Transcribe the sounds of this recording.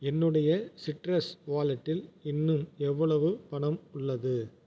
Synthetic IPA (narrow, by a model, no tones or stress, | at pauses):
ɛnːɯɽɐjɐsɪʈrɐsʋaːlɐʈːɪlɪnːɯmɛʋːɐɭɐʋɯpɐɳɐmʊɭːɐðɯ